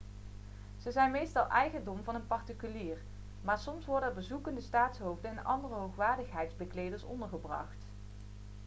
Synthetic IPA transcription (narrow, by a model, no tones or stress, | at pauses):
z̥əzɛjnmejstɑlˠʔɛjχəndɔmvɑnənpɑɹtikyliːr | maːɹsɔmsʋɔɹdəəɹbəzukəndəstaːtsɦowvdənɛnɑ̰ndərəɦowχʋaːɹdəχɦɛjtzbəklejdəɹsɔ̰ndəɹχəbrɑ̰χt